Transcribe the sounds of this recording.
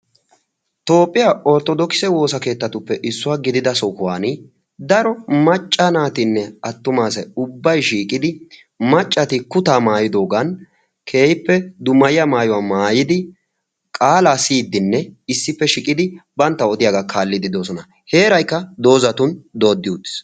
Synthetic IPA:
t̪o̞ːpʼːɪjaːɔɾt̪ɔd̪ɔkɪ̥sɛwo̞ːsɐke̞ːt̪ːɐt̪ʊpːɛʔɪsːʊwaːɡɪd̪ɪd̪ɐsɔkʊwaːnɪ | d̪ɐɾɔmɐt͡ʃʼːanaːt̪ɪnːɛɐt̪ːʊmaːsɛʊbːɐjʃiːkʼɪd̪ɪ | mɐt͡ʃʼːɐt̪ɪkʊt̪aːmaːjɪd̪o̞ːɡɐn | kʰe̞ːjɪpːɛd̪ʊmɐjɪjɐmaːjɔwaːmaːjɪd̪ɪ | kʼaːlaːsiːd̪ːɪnːɛɪsːɪpːɛʃɪkʼɪd̪ɪbɐnt̪ːɐɔt̪ɪjaɡakʰaːlːɪd̪ɪd̪o̞ːsɔnɐ | he̞ːɾɐjkːɐd̪o̞ːzɐt̪ʊnd̪o̞ːd̪ːɪut̪ːɪ̥s

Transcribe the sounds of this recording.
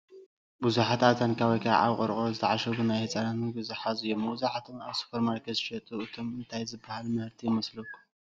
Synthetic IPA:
buzuħat̪ʰat̪ʰankʰaβojkʰa̰ʕa̰βχʼɨɾχʼozɨt̪ʰaʕaʃɐβunajhɐt͡sʼɐɾaniɡɨzuħazɨjomːɐwzuħat̪ʰonaβsu̥pʰɐɾmaɾkʰɐzɨʃɐt̪ʼuɨt̪ʰomɨnt̪ʰajzɨbːahalmɨhɨɾt̪ʰijɪmɐslɐku

